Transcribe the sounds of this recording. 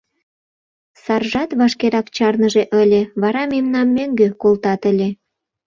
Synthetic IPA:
sɑrʒɑt̪βɑʃkeɾɑkt͡ɕɑrnəʒeʔə̆lʲeβɑɾɑmemnɑmːøŋɡøkolt̪ɑt̪ə̆lʲe

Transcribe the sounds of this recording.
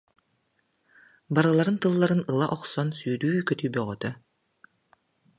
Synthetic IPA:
baɾɯlˠaɾɯnt̪ɯlˠːaɾɯnɯlˠaʔɔqsɔnsyːɾyːkœt̪yːbœʁœt̪œ

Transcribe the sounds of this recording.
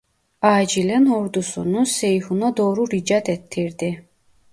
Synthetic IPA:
aːd͡ʒilɛnhɔɾd̪usunusɛjhunɔd̪ɔːɾuɾid͡ʒat̪ʰɛt̪ʰːiɾd̪i

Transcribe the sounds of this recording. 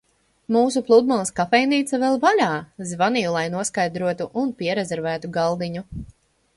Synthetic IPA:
muːs̬uplˠud̪malˠskafɛjniːt̪savɛlˠvalʲaːzvanijulˠajnuɔskajd̪ɾuɔt̪uʔunpiɛɾezɛɾvæːt̪uɡalˠd̪iɲu

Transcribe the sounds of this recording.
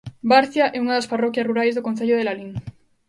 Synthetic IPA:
baɾθjaʔeunaðasparo̞kjasruɾajzðokonθeʎoð̞elaliŋ

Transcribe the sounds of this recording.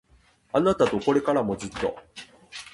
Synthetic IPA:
anat̪at̪o̞ko̞ɾe̞kaɾamo̞zɨt̪ːo̞̰

